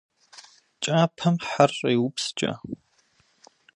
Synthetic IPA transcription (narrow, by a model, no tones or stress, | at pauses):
t͡ʃʼaːpʰɐmħariːwʊpst͡ʃʼɐ̰